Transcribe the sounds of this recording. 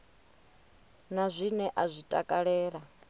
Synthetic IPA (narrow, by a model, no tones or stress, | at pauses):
nazʷinɛʔazʷitʼakʼaɺɛːɺa